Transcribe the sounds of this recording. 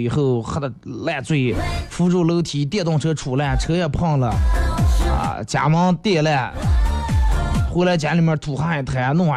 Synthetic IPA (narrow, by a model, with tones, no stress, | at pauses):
i˨˩xo˥˩ʊ˥˧la˥˧t͡swe˥˩ɪfu˥ʈ͡ʂu˥˩ʊlo˧˥ʊt̪ʰi˧˥t̪jɛ˥˧t̪ʊ˥˧ŋʈ͡ʂʰɤ˧˥ʈ͡ʂʰu˨˩la˥˩ʈ͡ʂʰɤ˧˥jɛ˨˩pʰɑ˥˩ŋlə˩ | ə̰˧˩t͡ɕja̰˨˩mɑ˧˥ŋt̪jɛ˥˧la˥˩ | xwe˥ɪla˧˥ɪt͡ɕja˧˥li˨˩mjə˥˧˩t̪ʰu˨˩xa˥i˧˩t̪ʰa˧˥˧nʊ˥˩˧ŋwa˧˥